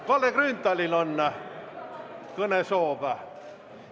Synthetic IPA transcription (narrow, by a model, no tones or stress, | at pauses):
koleɡ̥rynt̪ːælilonːæ | konesoːʋæ